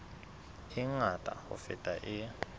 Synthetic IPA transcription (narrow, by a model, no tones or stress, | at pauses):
iŋatʼa̰ɔ̰fɛtʼaʔi